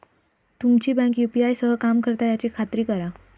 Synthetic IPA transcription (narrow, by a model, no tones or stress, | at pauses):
t̪umt͡ɕiːbɛ̃ŋkjupiajsəɦəkamkəɾt̪ajat͡ɕikʰat̪ɾiːkəɾa